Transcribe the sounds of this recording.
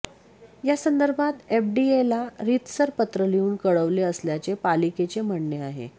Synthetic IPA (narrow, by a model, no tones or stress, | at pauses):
jasənd̪əɾbʱat̪efɖielaɾit̪səɾpət̪ɾəliuːnkəɭəʋleəsljat͡sepaliket͡sem̤əɳɳjeaɦḛ